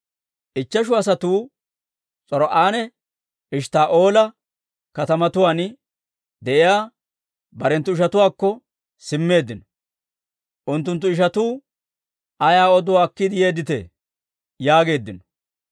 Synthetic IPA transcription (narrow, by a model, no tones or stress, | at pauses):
ʔɪt͡ʃːɐʃʊɐsɐt̪uː | t͡sʼɔɾɔʔaːnɛ | ʔɪʃt̪aːʔo̞ːlɐ | kɐt̪ɐmɐt̪ʊwaːn | d̪ɛʔɪjaː | bɐɾɛnt̪ːʊɪʃɐt̪ʊwaːkːɔ | sɪmːe̞ːd̪ːɪnɔ | ʔʊnt̪̬ːʊnt̪̬ːʊɪʃ̬ɐt̪uː | ʔɐjaːɔd̪ɔwaːkːɪd̪ɪjeːd̪ɪt̪ḛ | jaːɡe̞ːd̪ːɪnɔ̥